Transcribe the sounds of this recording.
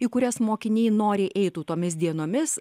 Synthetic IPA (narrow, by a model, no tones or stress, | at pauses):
iːkʊɾʲɛsmoːkʲɪnʲiːnoːɾʲɪʔɛɪt̪uːt̪oːmʲɪs̬d̪ʲiɛnoːmʲɪs